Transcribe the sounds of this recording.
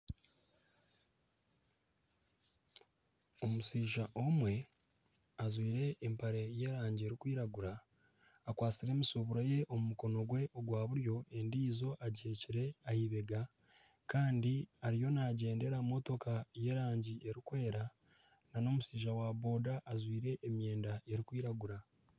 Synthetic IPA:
o̞musiːʒaʔo̞mwe̞ | azwiːɾe̞ːmpaɾe̞je̞ɾaːɲɟie̞ɾikwiːɾaɡuɾaː | kwaːt͡siɾe̞ːmusuβuɾaje̞ʔo̞mumuko̞no̞ɡwe̞ʔoɡwaːβuɾjo̞e̞ndiːzo̞ʔaɟeciɾe̞ahiβe̞ɡa | kaːndiaɾijo̞naɟe̞ːnde̞ɾamo̞to̞kaje̞ɾaːɲɟiʔe̞ɾikwe̞ːɾa | nano̞ːmusiːʒawaβo̞ːdaʔːzwiːɾe̞ʔːmje̞ːndae̞ɾikwiːɾaɡuɾa

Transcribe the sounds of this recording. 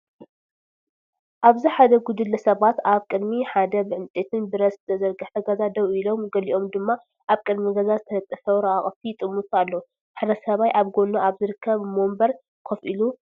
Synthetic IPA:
ʔaβziħad̪ɐɡud̪ɨlːɐsɐβat̪aβkʼɨd̪miħad̪ɐbɨʕɨnt̪ʼet̪ʰɨnbɨɾɐsɨt̪ʰɐzɐɾɡɐfɐɡɐzad̪ɐwilo̞mɡɐliʔo̞md̪ɨmːa | ʔaβkʼɨd̪miɡɐzazɨt̪ʰɐlɐt̪ʼːɐfɐwɾɐʔaχʼfit̪ʼɨmːut̪ʼalːo | ħd̪ɐsɐβajʔaβɡo̞nuʔaβzɨɾɨkʰːɐβmombɐɾ | kʰofʔilu

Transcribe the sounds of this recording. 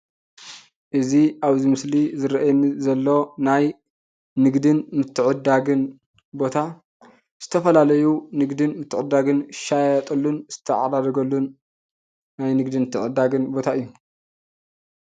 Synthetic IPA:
ʔɨziaβzimɨslizɨɾɐʔmzɐlːo̞naj | nɨɡd̪ɨnmɨt̪ʰːɨʕɨd̪aɡɨn | bo̞t̪ʰa | z̥ɨ̥t̪ʰɐfɐlalɐjunɨɡd̪ɨnmɨt̪ʰːɨʕɨd̪ːaɡɨnʃajat̪ʼɐlːunz̥ɨ̥t̪ʰɐʕa̰d̪ad̪ɐɡɐlːunː | ajnɨɡd̪ɨnmɨt̪ʰːɨʕɨd̪ːaɡɨnbo̞t̪ʰaɨjːu

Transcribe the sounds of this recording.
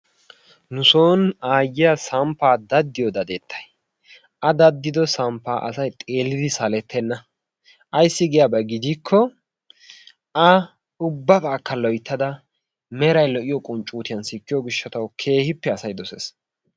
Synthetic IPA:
nʊsoːnaːjɪjasɐmpːaːd̪ɐd̪ːɪjɔd̪ɐd̪et̪ʰːɐ̥j | ʔɐd̪ɐd̪ːɪd̪ɔsɐmpːaːʔɐ̰sɐjt̪ʼeːlːɪd̪ɪsɐlɛt̪ʰːɛnːɐ | ɐjsːɪɡɪjabɐɡɪd̪ikʰːɔ | ɐ | ʊbːɐbaːkːɐlɔjt̪ʰːɐd̪ɐ | mɛɾɐjlɔʔɪjɔkʼʊnt͡ʃʼuːt̪ɪjɐnsɪkːɪjɔɡɪʃːɐt̪ɐwkʰe̞ːhɪpːɛɐsɐjd̪ɔsḛs

